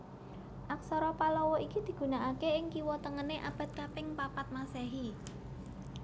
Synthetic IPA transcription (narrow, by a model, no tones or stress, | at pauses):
ʔaksɔɾɔpalɔwɔʔikid̪̥i̤ɡ̥ṳnaʔakeɪŋkiwɔt̪əŋəneʔab̥ä̤t̪̚kapɪŋpapat̪̚masɛɦi